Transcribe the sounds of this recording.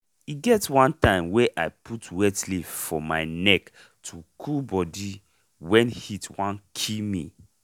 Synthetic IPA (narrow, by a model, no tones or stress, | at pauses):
iɡɛtwãntãɪ̃mweʔaɪpʰutwɛtlivfɔma̰ɪnɛk | tʰukʰubɔdi | wɛ̃nhitwãnkʰimi